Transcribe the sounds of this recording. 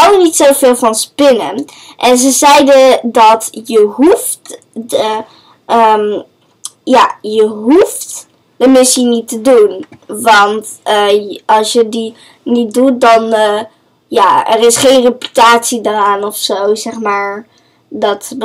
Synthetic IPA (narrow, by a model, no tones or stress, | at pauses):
ɑlənitsowvɪːlˠvɑnspɪnən | ʔɛnzəzɛjdədɑtjəɦuft | ə | əm | jaːjəɦuft | d̥əmɪsinitədunʋɑntəʔɑlˠsjədi | nit̚dut̚dɑn | jaːɛrɪsχejnrepy̥taːtsidəraːnɔfsowzɛχmaːɹ | dɑt